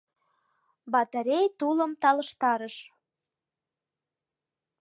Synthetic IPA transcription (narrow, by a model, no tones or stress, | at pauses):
bɑt̪eɾʲejt̪uləmt̪ɑlə̆ʃt̪ɑɾəʃ